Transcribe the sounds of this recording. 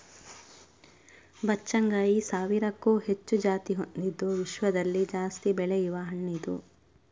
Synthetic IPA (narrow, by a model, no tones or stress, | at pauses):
bɐt͡ʃːɐŋɡaːjisaːʋiɾɐkːuːhet͡ʃːud͡ʒaːt̪iɦond̪id̪ːuʋiʃʋɐd̪ɐlːid͡ʒaːst̪ibɛɭɛjuʋɐɦɐɳːid̪ṵ